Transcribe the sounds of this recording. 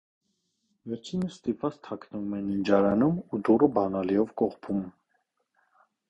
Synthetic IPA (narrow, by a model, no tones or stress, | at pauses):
vɛɾt͡ʃʰinəst̪ipvɑt͡st̪ʰɑkʰnəvumɛnind͡ʒɑɾɑnumud̪urəbɑnɑliɔvkɔχpʰum